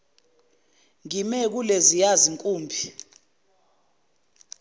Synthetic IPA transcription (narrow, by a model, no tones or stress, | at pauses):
ŋimɛk̬ulezijaziŋkʼuːmbʱi